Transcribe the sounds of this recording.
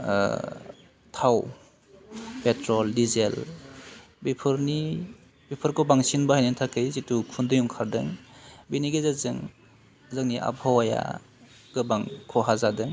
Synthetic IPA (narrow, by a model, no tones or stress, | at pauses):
tʰaw | petɾɔldizel | bipʰɯɾni | bipʰɯɾkɔbaŋsinbahajnintʰakɯjzitukʰundɯjumkʰaɾdɯŋbiniɡɯzazɯŋ | zaŋniʔa̰bʱawaja̰ | ɡ̥ɯbaŋkʰɔɦazadɯŋ